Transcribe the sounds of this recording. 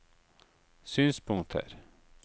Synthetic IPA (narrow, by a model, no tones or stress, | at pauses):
syːnspʰʊŋkt̪ʰə̰ɾ